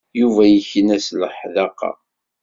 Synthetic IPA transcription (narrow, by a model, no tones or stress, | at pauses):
juvæjəçənæsləħðɑqːɑ̰